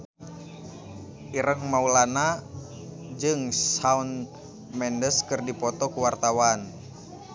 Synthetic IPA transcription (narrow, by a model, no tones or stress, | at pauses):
ʔiɾəŋmaulana | d͡ʒɨŋsaun | mɛndəskɨrdipɔt̪ɔkuwart̪awan